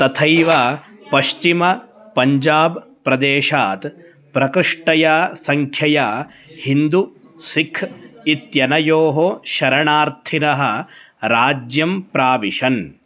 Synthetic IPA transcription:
t̪ɐt̪ʰɐjʋɐpɐʃt͡ʃimɐ | pɐɲd͡ʒaːb | pɾɐd̪eːʃaːt̪ | pɾɐkɾɪʂʈɐjaːsɐŋkʰjɐjaː | hind̪u | sikʰit̪jɐnɐjoːɦoʃɐɾɐɳaːɾt̪ʰinɐɦɐ̆ | ɾaːd͡ʒjɐmpɾaːʋiʃɐn

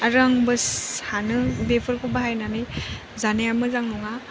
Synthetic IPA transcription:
aɾaŋbɯshanɯbepʰɯɾkʰubaɦajnanɯj | zanejamɯzaŋnuŋa

